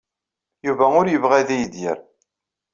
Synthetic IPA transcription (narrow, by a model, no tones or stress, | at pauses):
juvæʊɾjəvʁæðijd̪jə̰ɾ